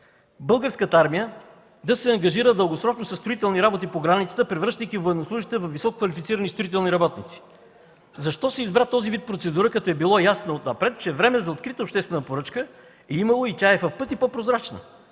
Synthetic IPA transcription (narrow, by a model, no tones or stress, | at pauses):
bɤlˠɡəɾskət̪əaɾmijə | d̪ɐsɛɐŋɡɐʒiɾəd̪əlˠɡosɾɔt͡ʃnosɐst̪ɾoit̪ɛlˠniɾabot̪ipoɡɾanit̪sə̥t̪əpɾɛvɾɤʃt̪əjkivojɛd̪noslˠuʒiʃt̪ɛvɐfvːisɔkokvɐlifit̪siɾənist̪ɾoit̪ɛlˠniɾɐbɔt̪nit̪si̥ | zɐʃt̪ɔsɛizbɾat̪ɔzivit̪̚pɾot̪sɛd̪uɾəkɐt̪ɔɛbilˠɔjasnoot̪nɐpɾɛt̪̚t͡ʃɛvɾɛmɛzɐot̪kɾit̪əopʃt̪ɛst̪vɛnəpoɾɤt͡ʃkə | ɛiməlˠoit̪ʲaɛvɐfpɤt̪ipopɾozɾat͡ʃnə̰